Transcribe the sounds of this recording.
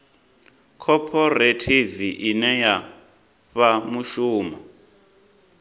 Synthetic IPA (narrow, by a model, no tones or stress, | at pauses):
kʰɔpʰɔretʰiviʔinɛja | ɸamuʃuːma